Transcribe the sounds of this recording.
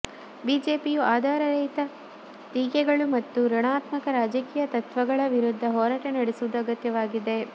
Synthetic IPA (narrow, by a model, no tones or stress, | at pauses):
biːd͡ʒe̞ːpijuʔaːd̪ʱaːɾɐɾɐjt̪ɐ | t̪iːkɛɡɐɭumɐt̪ːuɾɐɳaːt̪mɐkɐɾaːd͡ʒɐkiːjɐt̪ɐt̪ʋɐɡɐɭɐʋiɾud̪ʱːɐɦɔːɾɐʈenɐɽesuʋud̪uɐɡɐt̪jɐʋaːɡid̪e̞